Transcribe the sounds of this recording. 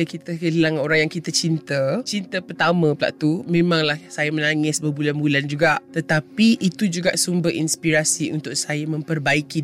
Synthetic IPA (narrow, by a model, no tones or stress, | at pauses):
əkit̪əɦəlaŋoɾaŋjaŋkit̪at͡ʃint̪ət͡ʃint̪əpərt̪amə̃pəla̰ʔt̪umẽmãŋlahsajamə̃naŋɪsbəbulanbuland͡ʒuɡaʔt̪ət̪apiʔit̪ud͡ʒuɡaʔsumbəinspiɾasiunt̪ʊk̚sajamə̃mpərbaiki